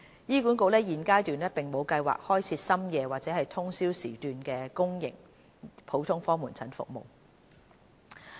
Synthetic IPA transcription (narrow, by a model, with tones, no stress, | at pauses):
jiː˥kuː˨˥nko˧wlɛː˥jiː˨˩nkaː˥jt̪yː˨nlɛː˥pɪ˨˩ŋmo˨˧wkɐ˧jwa̰ː˨k̚hɔː˥jt͡sʰiː˧˥sɐ˥mjɛː˧waː˨k̚t͡sɛː˨˦hɐ˨jt̪ʰʊ˥ŋsiː˥wsiː˨˩t̪yː˨nkɛː˧kʊ˥ŋjɪ̰˨˩ŋ | pʰo˨˥wt̪ʰʊ˥ŋfɔː˥muː˨˩nt͡sʰɐ˨˥nfʊ̰˨k̚mo̰˨w